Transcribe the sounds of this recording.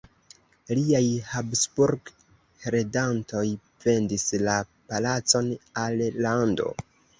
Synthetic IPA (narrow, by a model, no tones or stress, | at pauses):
liajhabsbuɾɡ | ɾe̞danto̞j | fe̞ndislapalat͡so̞nalːando̞̰